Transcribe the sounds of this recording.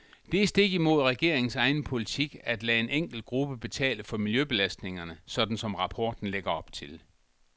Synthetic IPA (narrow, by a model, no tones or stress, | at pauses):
d̥e̝sd̥e̝ɡ̥imo̝ð̞ˠʁɛɡ̥e̝̰ɐ̰eŋn̩sɑ̈ɪnpʰo̝lit͡sʰiɡ̥æd̥lɛːe̝neŋ̰ɡ̥l̩d̥̚ɡ̥ʁub̥əb̥e̝t͡sʰɛ̰ːləfɒ̽miljøb̥e̝læsd̥ne̝ŋɐnəsɒ̽d̥n̩sɒ̽mʁɑ̈pʰɒ̰ːd̥n̩leɡ̥ɐɒ̽b̥t͡sʰe̝l